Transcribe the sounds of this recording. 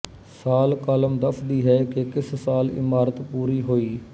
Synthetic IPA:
saːlkaːləmd̪əpʰd̪iːɦɛːkekɪssaːlɪ̰maːɾət̪puːɾiːɦoːiː

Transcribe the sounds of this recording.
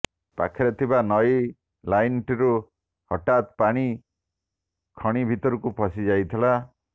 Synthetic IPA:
pa̰kʰiɾɔt̪ʰibanɔj | lajnʈiɾu | hɔʈat̪paɽ̃i | kʰɔɽ̃ibʱit̪ɔɾukupʰɔsid͡ʒajt̪ʰila

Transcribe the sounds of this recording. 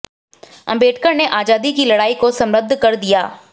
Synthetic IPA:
ɐ̰̃mbeːʈkəɾneʔaːd͡ʒaːd̪ikilɐɽaːikosɐ̃mɾəd̪ʱːkɐɾd̪ijaː

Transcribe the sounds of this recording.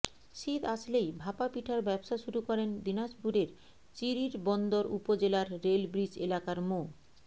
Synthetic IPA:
ʃit̪aslejbʱapapiʈʰaɾbɛbʃaʃuɾukɔɾend̪inaʃbʱuɾeɾ | t͡ɕiɾiɾbɔnd̪oɾupod͡ʑelaɾːelbɾid͡ʑelakaɾmo

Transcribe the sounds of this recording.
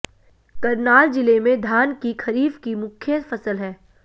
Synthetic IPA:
kɐɾnaːld͡ʒɪlemẽd̪ʱaːnkikʰɐɾiːfkimʊkʰjəfɐsəlɦɛː

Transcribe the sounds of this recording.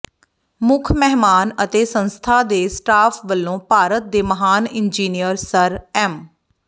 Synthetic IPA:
mʊkʰmɛɦmaːnət̪eːsənst̪ʰaːd̪eːsʈaːpʰʋəlːõːpaːɾət̪̚d̪eːməɦaːnɪnd͡ʒiːnijəɾsəɾɛːm

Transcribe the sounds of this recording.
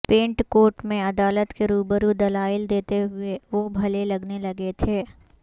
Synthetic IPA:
pẽːɳʈkoːɾʈmẽɐd̪aːlət̪keɾuːbəɾud̪ɐlaːɪld̪eːt̪eɦʊeʋobʱɐlelɐɡnelɐɡet̪ʰeː

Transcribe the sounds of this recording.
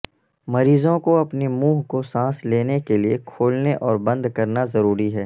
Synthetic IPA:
mɐɾiːzõkoɐpnemuːɦkosãːsleːnekeliekʰoːlneʔɔːɾbɐ̃nd̪kɐɾnazɐɾuːɾiɦɛː

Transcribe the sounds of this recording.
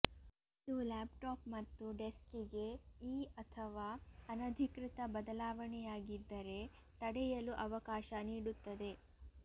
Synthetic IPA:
id̪ulaːpʈaːpmɐt̪ːuɖeskiɡe̞iːɐt̪ʰɐʋaːɐnɐd̪ʱikɾit̪ɐbɐd̪ɐlaːʋɐɳɛjaːɡid̪ːɐɾe̞ | t̪ɐɽɛjɐluʔɐʋɐkaːʃɐniːɽut̪ːɐd̪e̞

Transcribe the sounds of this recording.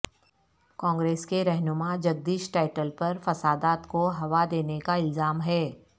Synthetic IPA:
kɔ̃ːŋɡɾeːskeɾɛɦnʊmãd͡ʒɐɡ̚d̪iːʃʈaːɪʈəlpɐɾfɐsaːd̪aːt̪koɦɐʋad̪eːnekaɪlzaːmɦɛː

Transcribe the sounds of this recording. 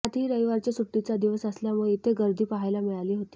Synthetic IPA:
at̪iːɾəjʋaɾt͡ɕjasuʈːit͡sad̪iʋəsəsljamuɭet̪eɡəɾd̪ʱiːpaɦajlamiɭaliːɦot̪iː

